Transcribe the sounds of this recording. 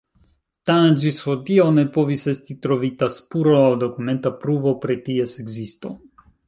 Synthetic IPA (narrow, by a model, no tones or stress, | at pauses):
tand͡ʒisotiawne̞po̞vise̞stitɾo̞vitaspuɾoawdo̞kume̞ntapɾuvo̞pɾetieseɡzisto̞̰